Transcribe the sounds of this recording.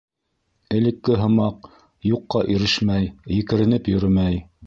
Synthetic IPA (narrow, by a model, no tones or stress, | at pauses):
ɘ̆lɘ̆kːɘɦɤ̆mɑq̚ | juqːɑʔiɾɘʃmæjjɘ̆kɘ̆ɾɘ̆nɘpjɵ̆ɾɘmæj